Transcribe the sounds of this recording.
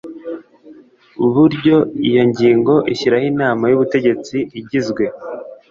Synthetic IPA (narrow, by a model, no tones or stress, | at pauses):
uβuɾɟo̞ijo̞ɲɟiːŋɡo̞ʔiçiɾahinaːmajuβute̞ɟe̞t͡siʔiɟizɡwe̞